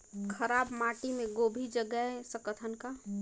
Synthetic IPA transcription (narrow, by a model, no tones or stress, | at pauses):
kʰəɾaːbmaːʈimẽɡoːbʱid͡ʒəɡəesə̃kət̪ʰənka